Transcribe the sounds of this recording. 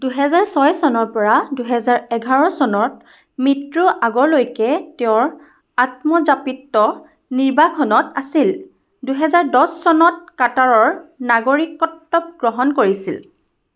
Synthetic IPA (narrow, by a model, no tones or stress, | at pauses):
duɦɛzaɹsɔjsɔnɔɹpɔɹaduɦɛzaɹɛɡʱaɹɔsɔnɔt̚ | mitɹuʔaɡɔɹlojkɛtɛʊ̃ɹ | at̚mɔzapitːɔ | niɹbakʰɔnɔtasil | duɦɛzaɹdɔsːɔnɔt̚kataɹɔɹnaɡoɹikɔtːɔp̚ɡ̥ɹɔɦɔnkoɹisḭl